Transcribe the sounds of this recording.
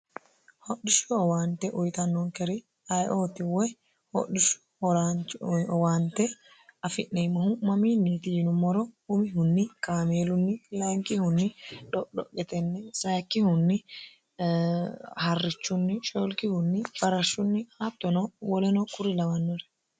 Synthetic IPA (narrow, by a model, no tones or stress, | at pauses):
hɔɗɪʃʊɔwaːnt̪ɛʔʊjt̪ɐnːɔŋkɛɾɪ | ɐjʔoːt̪ɪwɛ | hɔ̰ɗɪʃʊ̥ | ɔɾaɔwaːnt̪ɛ | ɐfɪʔnɛːmɐhʊmɐmiːnːit̪ɪnʊmɔɾɔʊmɪɦʊnːɪkaːmeːlʊnːɪlɐŋkʼɪhʊnːɪᶑɔɗɔkʼːɛt̪ɛnːɛsɐjkːɪhʊnːɪ | hɐrːɪt͡ʃːʊnːɪʃolkɪhʊnːɪfɐɾɐʃːʊnːɪhat̪ːɔnɔwɔlɛnɔkʼʊɾɪlɐwɐnːɔɾɛ̥